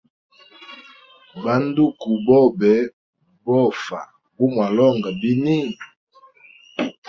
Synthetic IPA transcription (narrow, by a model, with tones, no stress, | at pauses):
ba˦n˦du˦ku˨bɔ˦˨bɛ˨˦ | bɔ˦fa˨ | bu˦mwa˨lɔ˦˨ŋɡa˨bi˦ni˦˨